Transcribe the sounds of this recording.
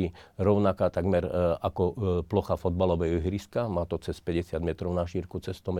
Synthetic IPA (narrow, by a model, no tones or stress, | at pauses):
iɾɔʊnakaːt̪aɡmɛɾakɔplɔxafɔd̪̚balɔʋɛɦɔɦɾiskamaːt̪ɔt͡sɛspɛɟɛsɪad̪mɛt̪ɾɔʊnaʃiːɾkut͡sɛst̪ɔmɛ